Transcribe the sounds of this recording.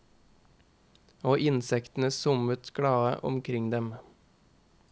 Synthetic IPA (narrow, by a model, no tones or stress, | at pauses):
oːʔɪnsɛkt̪n̩əsʊmət̪ɡ̥ɽɑːə̰ʔʊ̰mkʰɾɪŋd̪ɛm